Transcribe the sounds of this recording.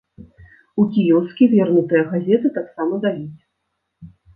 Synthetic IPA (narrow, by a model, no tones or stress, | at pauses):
ukʲijɛwskʲivʲɛrnut̪ɐjɐɣazʲɛt̪ɨt̪aksamɐd̪alʲit͡sʲ